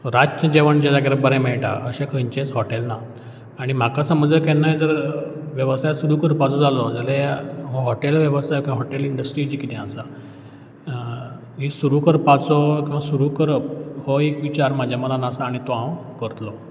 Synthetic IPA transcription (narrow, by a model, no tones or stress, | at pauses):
ɾad͡ʑt͡ɕəd͡ʑeʋəɳd͡ʑad͡zaɡeɾbəɾɛ̃meɭʈa̰ʔəɕẽkʰəɲt͡ɕẽt͡sɦɔʈelna | aɽ̃im̤akasəməd͡zəkɛnːajd͡zəɾʋjəʋəsajasuɾukəɾpat͡sɔd͡zalɔd͡zaləɦjaɦɔɦɔʈelʋjəʋəsajokĩɦɔʈeliɳɖəsʈɾiːd͡ʑikit̪ɛ̃asa | ɦisuɾukəɾpat͡sɔkĩw̃ʋasuɾukəɾphɔekʋit͡ɕaɾmad͡ʑʱjaməlanasaːɽ̃it̪ɔɦãwkəɾt̪lɔ